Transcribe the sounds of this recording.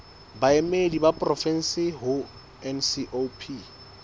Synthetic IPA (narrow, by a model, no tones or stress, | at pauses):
baemedibapʼrɔfɛn̩sɪɦʊ | ɛnsiʔopʰi